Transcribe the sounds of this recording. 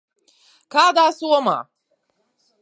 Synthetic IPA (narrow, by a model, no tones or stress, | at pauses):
kaːd̪aːsuwɔma̰ː